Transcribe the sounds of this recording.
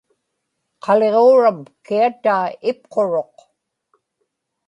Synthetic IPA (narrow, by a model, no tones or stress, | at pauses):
qʰɑle̞ʁoːɻamkiat̪aːɪp̚qʰo̞ɻo̞q